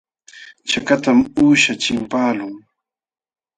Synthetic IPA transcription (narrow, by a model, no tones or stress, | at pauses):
t͡ʃakat̪amuːʃat͡ʃɪmpaːlʊŋ